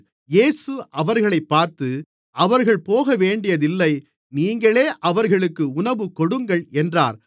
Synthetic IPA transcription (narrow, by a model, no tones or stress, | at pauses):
jeːsɯʔɐʋɐɾɣɐɭɐɪpːaːɾt̪ɯ | ʔɐʋɐɾɣɐɭpoːɣɐʋeːɳɖɪjɐðɪlːɐɪ | niːŋɡɐɭeːʔɐʋɐɾɣɐɭɯkːɯʊnɐʋɯkɔɽɯŋɡɐɭɛndra̰ːɾ